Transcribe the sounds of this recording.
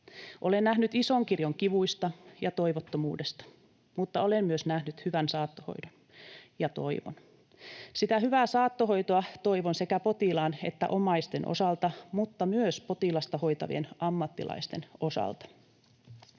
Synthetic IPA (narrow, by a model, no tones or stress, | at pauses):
ʔolennæhnyt̪isoŋkirjoŋkiʋuist̪ɑjɑt̪o̞iʋot̪ːomuːdest̪ɑ̥ | mut̪ːɑolemmyøsnæhnyt̪hyʋænsɑːt̪ːoho̞̰idon | jɑt̪o̞iʋo̰n | sit̪æhyʋæːsɑːt̪ːoɦo̞jt̪oɑt̪o̞iʋonse̞kæpot̪ilɑːnḛt̪ːæ̰ʔomɑist̪enʔo̰sɑlt̪ɑmut̪ːɑmyøspot̪ilɑst̪ɑho̞it̪ɑ̰ʋḭenɑmːɑt̪ːilɑ̰ist̪e̞no̞sɑ̰lt̪ɑ̥